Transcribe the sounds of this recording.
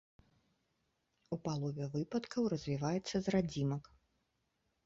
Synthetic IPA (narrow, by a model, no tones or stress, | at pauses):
upalˠɔvʲɛvɨpɐt̪kʰɐwrɐzʲvʲivajɛt̪sːɐzrad͡zʲimɐk